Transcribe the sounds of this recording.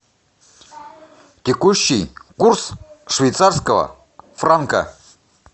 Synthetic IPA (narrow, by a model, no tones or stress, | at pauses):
t̪ʲekuɕːijkursʂvʲejt̪sarskəvə̰ | fraŋkə̰